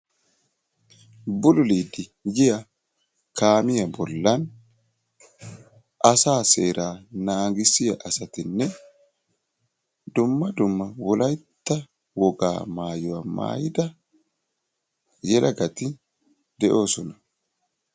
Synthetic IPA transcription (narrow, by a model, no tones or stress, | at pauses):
bʊlʊliːd̪ɪjɪjɐ | kaːmɪjɐbɔlːɐn | ʔɐsaːseːɾaːnaːɡɪsɪjɐʔɐsɐt̪ɪnːɛ | d̪ʊmːɐd̪ʊmːɐwɔlɐjt̪ːɐ | wɔɡa̰ːmaːjɔwɐma̰ːjɪd̪ɐ | jɛlɐɡɐt̪ɪ | d̪ɛʔo̞ːsɔnɐ